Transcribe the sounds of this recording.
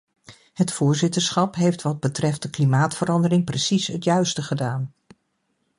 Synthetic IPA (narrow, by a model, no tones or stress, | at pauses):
ɦətfʊːɹzɪtəɹsχɑpɦejftʋɑd̚bətrɛft̚dəklimaːtfəɾɑndərɪŋprəsisɦətjœɥstəχədaːn